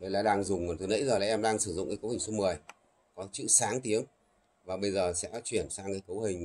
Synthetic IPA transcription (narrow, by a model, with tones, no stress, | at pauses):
ɗə˧jlaː˨˦ɗaː˧ŋzʊ˨˩ŋ͡mt̪ɨ˨˩nḭ˧˥zəː˨˩laː˨˩ʔɛ˧mɗaː˧ŋsɨ˧˩zʊ̰˧˨ŋ͡mkaː˨˦kə˨˦whï˨˩ŋ̟su˧mɨ˨˩əj | kɔ˨˦t͡ɕɨ̰˧˨saː˨˦ŋt̪i˨˦əŋ | vaː˨˩ɓə˧jzəː˨˩sɛ̰˧˥t͡ɕwi˧˩ənsaː˧ŋkaː˨˦jkə˨˦whï˨˩ŋ̟